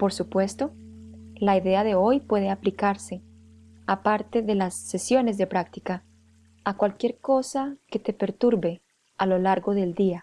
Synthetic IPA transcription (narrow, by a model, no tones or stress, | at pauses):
po̞ɾsupwe̞st̪o̞laiðe̞aðe̞o̞jpwe̞ð̞e̞aplikaɾse̞ | apaɾt̪e̞ðe̞lasːe̞sjo̞ne̞zðe̞pɾakt̪ikaː | kwalkje̞ɾko̞sake̞t̪e̞pe̞ɾt̪uɾβe̞ | alo̞laɾɣo̞ðe̞ld̪ia